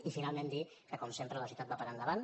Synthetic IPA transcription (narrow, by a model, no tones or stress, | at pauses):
ifinalˠmẽnd̪i | kəkɔmsempɾələsiut̪at̪̚bapaɾand̪əβan